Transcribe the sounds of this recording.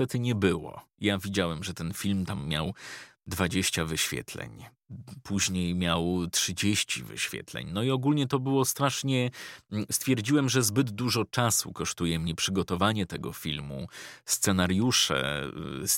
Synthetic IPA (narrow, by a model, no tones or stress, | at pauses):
t̪ɛt̪ɘɲɛbɘwɔ̰javʲid͡ʑawɛmʐɛt̪ɛnfʲilmt̪amːja̰wd̪vad͡ʑeɕt͡ɕavɘɕfʲjɛ̰t̪lɛ̰ɲ | pʰuʑɲejmʲjawtʂɘd͡ʑeɕt͡ɕḭvɘ̰ɕfʲjɛ̰t̪lɛ̰ɲnɔiɔɡulɲɛt̪ɔbɘwɔst̪ɾaʂɲɛst̪fʲjɛɾd͡ʑiwɛmʐɛzbɘd̪d̪uʐɔt͡ʂasṵkɔʂt̪ujɛmɲɛpʂɘɡɔt̪ɔvaɲɛt̪ɛɡɔ̰fʲilmṵst̪sɛnaɾjuʂɛ̰s